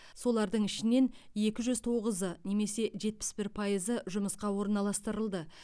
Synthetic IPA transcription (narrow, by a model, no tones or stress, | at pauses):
so̞lˠɑɾd̪əɴɪʃɪne̞nje̞kʲɪʒʏzt̪ʰo̞ʁəzəne̞me̞se̞ʒe̞t̪̚pɪ̥sbɪɾpʰɑjəzəʒʊməsqɑwo̞ɾənɑlˠɑst̪əɾəlˠd̪ə